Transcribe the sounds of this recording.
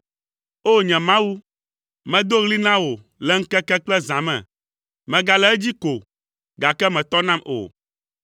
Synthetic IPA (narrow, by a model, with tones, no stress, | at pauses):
o˦ɲɛ̃˨mã˦wu˦ | mɛ̃˨d̪o˦ɣli˦nã˦wo˨ | lɛ˦ŋ̩˦kɛ˦kɛ˦klɛ˦zã˨mɛ̰̃˨ | mɛ̃˨ɡa˨lɛ˦ɛ˦d͡ʑi˦ko˨ | ɡa˨kɛ˦mɛ̃˨t̪ɔ˦nã˦mʔo̰˨